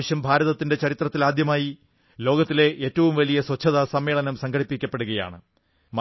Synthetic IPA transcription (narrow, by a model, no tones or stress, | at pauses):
ɐɕjɐmbʱaːɾɐðɐt̪ːinde̞t͡ɕɐɾit̪rɐt̪ːilaːd̪jɐmaːji | lo̞ːɡɐt̪ːile̞ʔeːtːɐʋumʋɐlijɐswɐt͡ɕʰːɐðaːsɐmːe̞ːɭɐnɐmsɐŋɡɐɽipːikʲːɐpːe̞ɽuɣɐja̰ːɳɨ | m